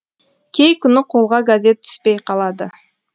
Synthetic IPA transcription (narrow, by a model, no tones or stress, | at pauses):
kʲejkynuqʰolˠʁɑɡazʲe̞t̪̚t̪ʰy̥spejqʰɑlˠɑd̪ə